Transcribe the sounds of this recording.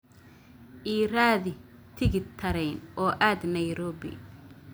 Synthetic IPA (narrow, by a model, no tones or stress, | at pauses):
ʔiːɾaːðɪ | t̪ʰɪɣɪt̪ʰɐɾɛjnʔɔːʔaːd̪nɐjɾɔːbɪ̰